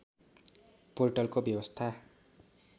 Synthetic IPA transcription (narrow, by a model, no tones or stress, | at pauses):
polʈʌlkobjʌwʌst̪ʰa